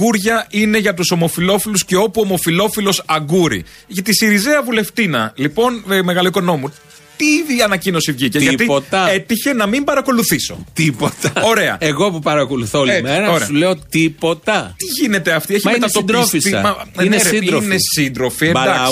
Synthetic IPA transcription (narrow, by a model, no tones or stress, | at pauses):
uɾʝɐine̞ʝɐt̪uso̞mo̞filo̞filusceo̞puo̞mo̞filo̞filo̞sɐɡuɾḭ | ʝɐt̪isiɾizeɐvule̞ft̪inɐlipo̞nme̞ɣɐliikono̞mu | t̪iviɐnɐcino̞sivʝiceʝɐt̪iot̪ɐe̞t̪içe̞nɐmimbɐɾɐko̞luθiso̞̰t̪ipot̪ɐo̞ɾe̞ɐ̰eɣo̞pupɐɾɐko̞luθolemeɾɐoɾeɐuleot̪ipot̪ɐt̪iʝine̞t̪eɐft̪ieçimɐent̪ɐt̪od̪ɾofisiɐ̰mɐnesiɾonessind̪ɾo̞fiemd̪ɐks